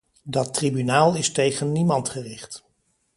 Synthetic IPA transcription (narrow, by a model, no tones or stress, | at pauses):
dɑtribynaːlˠɪstejχənːimɑntχərɪχt